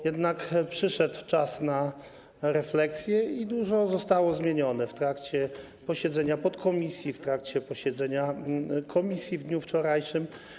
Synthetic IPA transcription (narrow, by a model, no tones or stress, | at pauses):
jɛd̪nakpʂɘʂɛt̪t͡ʂasna | ɾɛflɛksʲjɛid̪uʐɔzɔst̪awɔzmʲjeɲɔnɛft̪ɾakt͡ɕɛ | pɔɕɛd̪zɛɲapɔt̪kɔmʲisʲjift̪ɾakt͡ɕɛpɔɕɛd̪zɛɲakʰɔmʲisʲjivd̪ɲuft͡ʂɔɾajʂɘm